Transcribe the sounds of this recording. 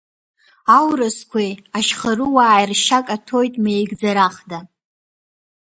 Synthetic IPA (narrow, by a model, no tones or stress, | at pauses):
awrɨskʷʰejaʃχarɨwaːjrʃakʼatʰo̞jtʼmejɡd͡zaɾaχda